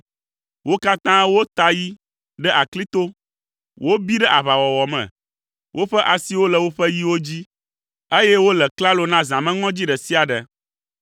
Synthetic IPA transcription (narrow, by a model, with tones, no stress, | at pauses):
wo˦ka˦t̪ã˦wo˦t̪a˦ji˦ | ɖɛ˦ʔa˨kli˦t̪o˦ | wʔo˦bi˦ɖɛ˦ʔa˨βa˨wɔ˨wɔ˨mɛ̰̃˨ | wʔo˦ɸɛ˦ʔa˨si˦wo˦lə˨wo˦ɸɛ˦ji˦wo˦d͡ʑi˦ | e˦jɛ˦wo˦lɛ˨kla˦lo˨nã˦zã˨mɛ̃˦ŋɔ̃˦d͡ʑi˦ɖɛ˨si˦a˨ɖɛ˨